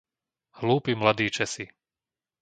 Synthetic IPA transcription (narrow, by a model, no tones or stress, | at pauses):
hluːpimlad̪iːt͡ʃɛsi